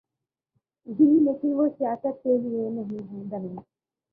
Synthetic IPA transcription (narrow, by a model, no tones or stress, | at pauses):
ɦiːleːkɪnʋosjaːsət̪̚keɦienɐɦĩɦĩːd̪ɐmĩː